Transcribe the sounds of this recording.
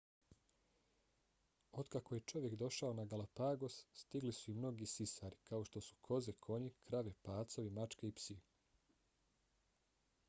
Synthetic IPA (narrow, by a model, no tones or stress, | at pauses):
od̪kako̞je̞t͡ʃo̞ʋje̞kd̪o̞ʃaonaɡalapaɡo̞sːt̪iɡlisuimno̞ɡisisaɾikao̞ʃt̪o̞su̥kʰo̞zekʰo̞ɲikɾaʋepaːt̪soʋimat͡ʃkeipsi